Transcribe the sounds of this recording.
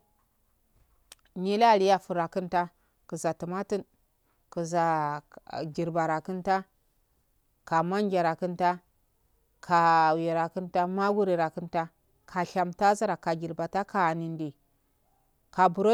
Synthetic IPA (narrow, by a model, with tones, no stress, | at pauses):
ni˦la˦˨li˦ja˨fu˨ɾa˨kɨ˦nta˦ | kə˨za˨tu˨ma˦ti˦n | ku˨za˨ | ɡi˨ɾba˨ɾa˨ku˦nta˦ | ka˨ma˦ŋɡʲa˨ɾa˨kɨ˦nta˦ | kʰa˨wi˨ɾa˨kɨ˦nta˦ma˦ɡu˦ɾi˨ɾa˨ki˦nta˦ | kʰa˨ɬa˨mta˦za˦ɾa˨ka˨ɡi˨ɾba˨ta˦ka˨ni˨ndi˨ | ka˨bu˨ɾo˦